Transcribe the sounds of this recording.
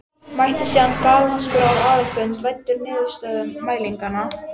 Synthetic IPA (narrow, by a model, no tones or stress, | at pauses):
majht̪ɪsiːðankaːlnaskʏɾawaːðʏfʏnt̪vajnt̪ʏɾnɪːðʏ̥st̪œːðʏmːaːjliŋkana